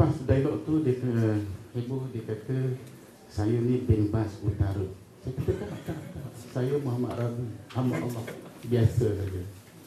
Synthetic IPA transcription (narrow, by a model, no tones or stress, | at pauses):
pasdailɔʔt̪udi | hebɔhdikat̪ə | sajənĩbɛnbasut̪aɾə | sajakat̪əkanaʔt̪aɾat̪aʔsajəmoɦama̰ʔɾabuhama̰ʔa̰maʔbiasəsad͡ʒə